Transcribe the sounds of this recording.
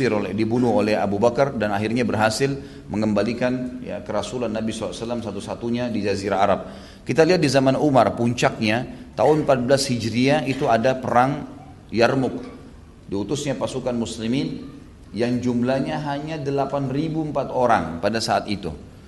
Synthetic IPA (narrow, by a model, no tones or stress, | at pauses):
ɪɾolɛdibunʊɦolɛɦa̰bubakardanaɦɪrɲabərɦasɪl | məŋəmbalikanja̰kəɾasulanːabisɔaasəlːamsat̪usat̪uɲadid͡ʒaziɾaaɾap̚ | kit̪aliɦat̪̚dizamanumarpuɲt͡ʃak̚ɲat̪aɦʊnmpat̪̚blashid͡ʒɾiait̪uadapəɾaŋ | jarmʊk̚ | diut̪ʊsɲapasukanmuslimɪn | jaŋd͡ʒumlahɲaɦaɲadəlapanribumpat̪oɾaŋpadasaːt̪it̪ṵ